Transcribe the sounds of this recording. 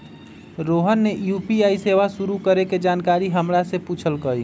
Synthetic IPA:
ɾoɦənːejuːpiaiseʋasuɾukəɾeked͡ʒaːnkaɾiɦəmɾasepuːt͡ʃʰəlkəi

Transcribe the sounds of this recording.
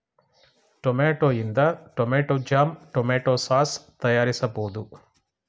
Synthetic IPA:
ʈomeːʈoind̪ɐʈomeːʈoːd͡ʒaːmʈomeːʈoːsaːst̪ɐjaːɾisɐpoːd̪u

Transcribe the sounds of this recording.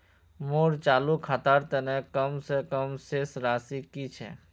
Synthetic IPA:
moːɾt͡ʃaːlukʰat̪aɾt̪enekəmsekəmseːsɾaːsikit͡ʃʰɛ̰

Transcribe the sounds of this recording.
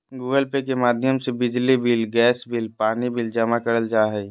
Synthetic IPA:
ɡuːɡəlpekemaːd̪ʱjəmsebɪd͡ʒlibɪlɡɛːsbɪlpaːnibɪld͡ʒɐmakəɾəld͡ʒaːɦɛi

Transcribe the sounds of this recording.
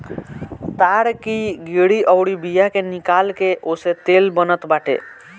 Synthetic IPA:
t̪aɽkiɡeɽiʔəwɽibijakenikalkeʔoset̪elbənət̪baʈḛ

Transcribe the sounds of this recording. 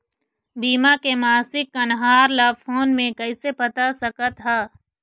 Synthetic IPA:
biːmakemaːsɪkːɐnɦaːɾlafʰoːnmẽkɐɪsepɐt̪asɐkət̪ɦaː

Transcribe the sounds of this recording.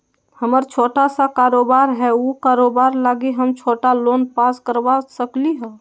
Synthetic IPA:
həməɾt͡ʃʰoːʈasakaːɾoːbaɾɦɛukaːɾoːbaːɾlaːɡiɦəmt͡ʃʰoːʈaloːnpaːskəɾbasəkliɦɛ̃

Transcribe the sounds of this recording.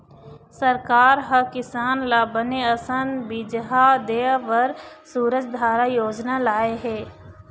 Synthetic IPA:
sɐɾkaːɾɦɐkɪsaːnlaːbəneɐsə̃nd̪bid͡ʒɦad̪eːʋəɾsuːɾət͡ʃd̪ʱaːɾajoːd͡ʒnalaːeɦɛː

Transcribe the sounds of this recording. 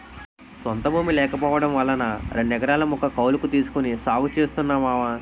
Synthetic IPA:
sont̪ɐbʱuːmilɛːkɐpɔːʋɐɽɐmʋɐlːɐnɐɾeɳɖɛɡɐɾaːlɐmɔkːɐkɐwlukut̪iːsu̥kunisaːɡut͡ʃeːst̪unːaːmaːʋɐ

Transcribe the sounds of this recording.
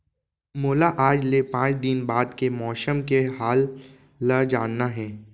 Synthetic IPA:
moːlaʔaːd͡ʒlepãːt͡ʃd̪ɪnbaːd̪kemɔːsəmkeɦaːlː | əd͡ʒaːnːaɦɛː

